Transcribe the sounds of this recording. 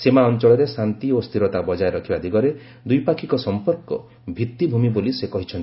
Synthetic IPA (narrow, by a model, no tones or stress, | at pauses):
semaɔnt͡ʃɔɭɔɾesant̪iost̪ʰiɾɔt̪abɔd͡ʒajeɾɔkʰibad̪ʱiɡɔɾe | d̪ujpakʰikɔsɔmpɔɾkɔ̰ | bʱit̪ːibʱumibolisekɔɦit͡ʃʰɔnt̪i̥